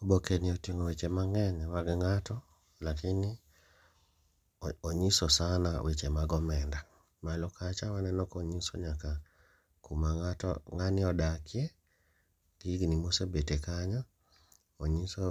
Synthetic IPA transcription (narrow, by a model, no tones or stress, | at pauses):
obokeniotiŋowet͡ʃemaŋɛɲawaɡɛŋatɔ | lakini | oɲisɔsana̰wet͡ʃemaɡɔmɛnda | malokat͡ʃawanɛnɔkoɲisɔ̰ɲaka | kumaŋatɔ̰ŋaniɔdakie | liɡinimosɛbetekaɲa | oɲisɔ